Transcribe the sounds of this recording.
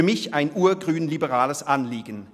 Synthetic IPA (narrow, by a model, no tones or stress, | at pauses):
ɐmɪçaɪnʔuːɐɡʁyːnlibəʁaːləsʔanliːɡn̩